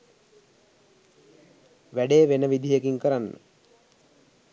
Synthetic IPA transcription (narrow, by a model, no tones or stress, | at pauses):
ʋæɖeːʋenəʋid̪ʱijəkiŋkəɾanːə̰